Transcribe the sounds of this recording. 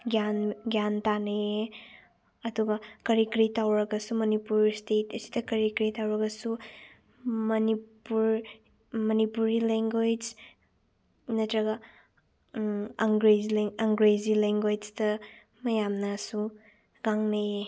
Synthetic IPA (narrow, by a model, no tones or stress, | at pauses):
ɡjanɡjantanee | ɐduɡɐkɐɾikɾitawɾɐɡɐsumɐnipuɾstetɐsi̥dɐkɐɾikɾitawɾɐɡɐsu | mɐnipuɾ | mɐnipuɾileŋɡwed͡ʒ | nɐtɾɐɡa | ŋɡɾed͡ʒlɐŋɡɾezileŋɡwed͡ʒtɐ | mɐjamnɐsu | ɡaŋneje